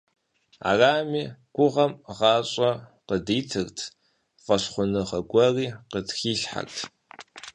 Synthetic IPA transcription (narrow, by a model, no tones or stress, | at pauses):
a̰ːraːmiːɡʷʊʁɐmʁɑːɕʼɐqədiːtʰɨrtʰ | fʼɐɕχʷʊnɨʁɐɡʷɐriːqətxiːɬħa̰ktʰ